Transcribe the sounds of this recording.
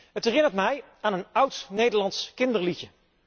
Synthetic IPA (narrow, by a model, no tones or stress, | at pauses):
ɦətɦɛːrɪnəɹtmɛj | aːnənʌwtnejdəɹlɑnskɪndəɹlicə